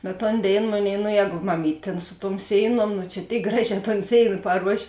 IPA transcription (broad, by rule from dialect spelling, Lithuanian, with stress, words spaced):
bʲɛt ˈtoːn ˈdʲeːɪn ˈmoːˌnʲeːɪ noː ˈjɛːɡʊ mɐˈmʲiːtʲ tʲeːn sʊ tuɔm ˈsʲeːɪˌnuɔm nʊ t͡ʃʲɛ ˈtʲeːɪk ˈɡrɑːˌʒʲɛː toːn ˈsʲeːɪnɐ pɐˈruɔʃʲeː